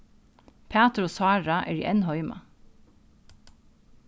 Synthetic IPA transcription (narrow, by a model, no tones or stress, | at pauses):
pʰæːt̪ɾoːsɑːɹɑʔḛːɹḭːʔɛnhɔʏmɑ̰